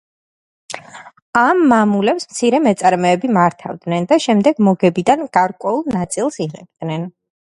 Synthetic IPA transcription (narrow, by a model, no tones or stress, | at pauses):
amːamulɛpsmt̪sʰiɾɛmɛt̪sʼaɾmɛːbimaɾt̪ʰa̰vd̪nɛnd̪aʃɛmd̪ɛɡmɔɡɛbid̪anɡ̥aɾkʼwɛulˠnat̪sʼilˠsiʁɛ̰b̥̚d̪nɛn